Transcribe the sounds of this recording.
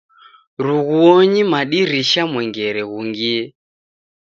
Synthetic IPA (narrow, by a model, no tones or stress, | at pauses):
ɾuɣuɔɲimaɗiɾiʃamwɛŋɡɛɾɛɣuŋɡiɛ